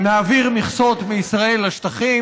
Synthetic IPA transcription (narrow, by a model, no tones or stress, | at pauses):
naːviʁmiχsot̪meisʁae̞laʃt̪aχi